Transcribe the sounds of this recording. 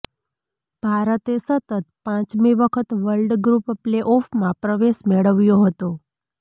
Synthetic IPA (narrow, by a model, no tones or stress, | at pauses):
b̥ʱaɾət̪esət̪ət̪̚pãt͡ʃmiʋəkʰət̪ʋəɭɖɡɾuppleʔɔfʰmãpɾəʋeʃmeɭəʋjoɦət̪o